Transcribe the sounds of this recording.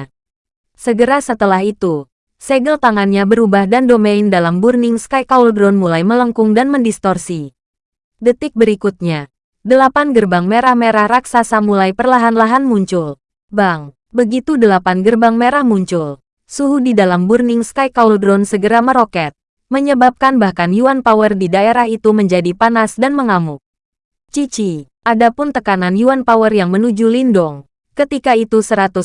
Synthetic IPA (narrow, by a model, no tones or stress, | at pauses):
səɡəɾasət̪əlaɦit̪u | seɡəlt̪aŋanɲabəɾubahdandomeindalamburnɪŋskajkauldɾɔnmulajmələŋkʊŋdanməndist̪ɔrsi | dət̪ɪk̚bəɾikut̪̚ɲa | dəlapanɡərbaŋmeɾahmeɾahraksasamulajpərlaɦanlaɦanmuɲt͡ʃʊl | baŋ | bəɡit̪udəlapanɡərbaŋmeɾahmuɲt͡ʃʊl | suɦudidalamburnɪŋskajkauldɾɔnsəɡəɾaməɾokɛt̪̚ | məɲəbap̚kanbahkanjuanpawərdidaeɾahit̪uməɲd͡ʒadipanasdanməŋamʊk̚ | t͡ʃit͡ʃi | ʔadapʊnt̪əkananjuanpawərjaŋmənud͡ʒulindɔŋ | kət̪ikait̪usəɾat̪u